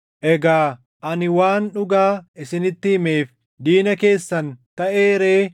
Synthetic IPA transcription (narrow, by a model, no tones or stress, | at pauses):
ʔɛɡaː | ʔɐnɪwaːnᶑʊɡaːɪsɪnɪt̪ːɪhɪme̞ːf | d̪iːnɐke̞ːsːɐnt̪ɐʔe̞ːɾe̞ː